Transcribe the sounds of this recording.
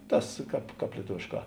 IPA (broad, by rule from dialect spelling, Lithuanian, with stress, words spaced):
ˈtɐs ˈkɑːp ˈkɑːp lʲiɛˈtʊʋʲeːʃˌkɑː